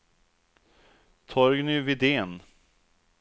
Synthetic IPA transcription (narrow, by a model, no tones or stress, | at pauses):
t̪ʰɔɾɡnʏvɪd̪eːn